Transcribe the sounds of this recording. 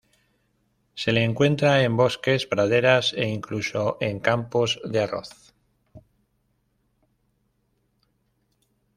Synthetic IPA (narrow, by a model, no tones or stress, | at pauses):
se̞leːŋkwe̞nt̪ɾae̞mbo̞ske̞zpɾað̞e̞ɾase̞̰iŋkluso̞ʔe̞ŋkampo̞zðearo̞̰θ